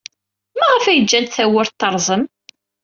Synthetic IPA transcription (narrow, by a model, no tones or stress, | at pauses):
mæʁəfæjəd͡ʒːænt̪θæwʊɾt̪ːɑɾˤzˤəm